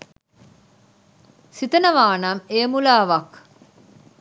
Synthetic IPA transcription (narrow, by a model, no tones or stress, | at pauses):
sit̪ɐnəʋaːnɐmeːmulaːʋɐk